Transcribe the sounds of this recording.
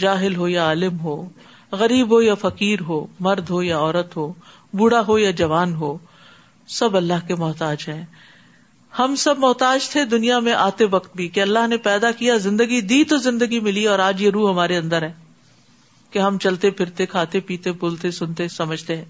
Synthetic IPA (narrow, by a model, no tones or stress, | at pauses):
d͡ʒaːɦɪlɦojaaːlɪmɦoː | ɣɐɾiːbɦojafɐkiːɾɦoːmɐɾd̪ʱɦojaɔːɾət̪ɦoː | buɽaɦojad͡ʒɐʋaːnɦoː | sɐbɐlːaɦkemɔːt̪aːd͡ʒɦɛ̃ː | hɐmsɐbmɔːt̪aːd͡ʒt̪ʰed̪ʊnijamẽʔaːt̪eʋɐkt̪̚bʱikeɐlːaɦnepɛːd̪akijazɪ̃nd̪əɡid̪iːt̪ozɪ̃nd̪əɡimɪliɔːɾaːd͡ʒjeɾuːɦɐmaːɾeɐ̃nd̪əɾɦɛ̃ː | keɦɐmt͡ʃɐlt̪epʰɪɾt̪ekʰaːt̪epiːt̪ebʊlt̪esʊnt̪esɐməd͡ʒʱt̪eɦɛ̃ː